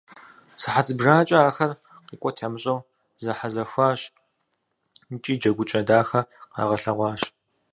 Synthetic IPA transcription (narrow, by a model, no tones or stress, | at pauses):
sɨħat͡sʰʼɨbʒaːt͡ʃʼɐaːxɐr | qiːkʷʼɔtʰamɨɕʼɐw | zɐħazɐxʷaːɕ | nt͡ʃʼiːd͡ʒɐɡʷʊt͡ʃʼɐdaːxɐqɑ̰ːʁɐɬɐʁʷɑːɕ